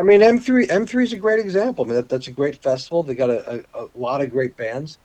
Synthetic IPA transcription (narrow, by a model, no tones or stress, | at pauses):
aɪmĩnãɪ̃mθɹiʔɛ̃mθɹizɨɡɹeɪɾɨɡzæ̃mpl̩ˠaɪmĩnðæt̪̚ðætsɨɡɹeɪtfɛstəvl̩ˠðeɪɡɑɾɨʔəəlɑɾʌvɡɹeɪt̚b̥æ̃ndz̥